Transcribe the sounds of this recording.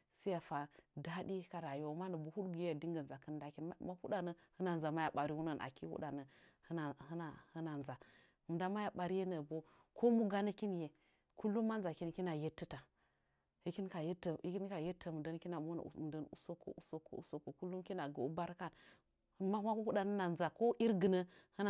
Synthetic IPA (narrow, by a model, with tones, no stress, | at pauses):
si˦a˨fa˨da˦ɗi˦ka˨ɾa˨jo˦˨ma˦nə˨bu˨hu˦ɗɡi˨jja˨di˦ŋɡə˨nza˨kə˦nda˦ki˦n˦ma˦hu˦da˨nə˨hɨ˦na˨n˨za˨ma˦ja˨ɓa˨ɾi˦wu˦nə˦˨nʔa̰˨ki˦hṵ˦ɗa˨nə˨hə˦n˨hə˦na˨hə˦na˨nza˨ | mu˨da˦ma˦ja˨ɓa˨ɾi˦je˦nə˨bo˦ko˦mu˦ɡa˦nə˦ki˦n˦je˨ | ku˦lːu˦mːa˦n˦za˨ki˦n˨ki˦na˨je˦tːə˦ta˨ | hi˦ki˦nka˨je˦tːə˨i˦ki˦n˦ka˨je˦tʰːə˨m˨də˦n˦ki˦na˨mo˦n̰˨də˦nṵ˨so˦ko̰˨ʔu˨˦so˦kːo̰˨ṵ˨so˦kːo˨ku˦lu˦m˦ki˦na˨ɡə˨u˦ba˦ɾka˦˨n˦ | ma˦ma˦hu˦ɗa˨nə˦na˨nza˨ko˦ʔi˦ɾɡə˨nə˦hə˦n˨